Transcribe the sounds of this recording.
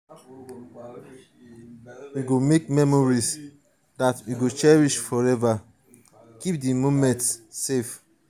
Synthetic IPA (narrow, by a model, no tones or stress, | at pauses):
wiɡomekmɛmɔɹis | datwiɡot͡ʃɛɹiʃfɔɹɛva | kip̚dimomɛ̃ntsːef